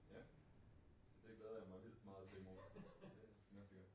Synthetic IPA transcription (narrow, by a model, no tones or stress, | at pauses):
jæ | sɒd̥e̝ɡ̥lɛːðˠɐjämɑ̈ɪʋil̰d̥mɑ̈ːðˠt͡sʰe̝lmod̥esnæɡ̥j